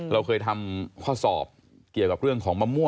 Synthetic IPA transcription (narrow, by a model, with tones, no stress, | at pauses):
ɾa˧wkʰɤː˧jt̪ʰa˧mkʰaː˥˩wsɔ̰ː˨˩p̚ | ki˨˩əwka˨˩p̚ɾɯ˥˩əŋkʰɔː˩˦ŋma˧mːu˥˩